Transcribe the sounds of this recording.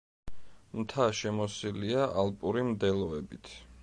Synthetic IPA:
mt̪ʰaʃɛmɔsiliaʔalˠpʼuɾimd̪ɛlˠɔɛbit̪ʰ

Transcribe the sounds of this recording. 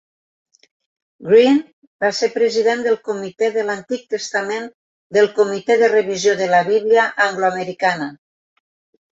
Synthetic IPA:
ɡɾin | baseɾpɾəziðend̪əlˠkumit̪ɛðəlant̪ik̚t̪əst̪amen | d̪əlˠkomit̪ɛðərəβizjoðəlaβiβliaʔaŋɡloaməɾikanə

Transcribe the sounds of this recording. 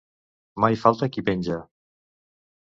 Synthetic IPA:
majfalˠt̪akipenʲd͡ʒa

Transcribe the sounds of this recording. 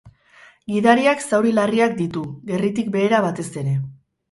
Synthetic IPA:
ɡiðaɾiaksawɾilariak̚d̪it̪uɡe̞rit̪ik̚be̞ːɾaβat̪e̞se̞ɾe̞

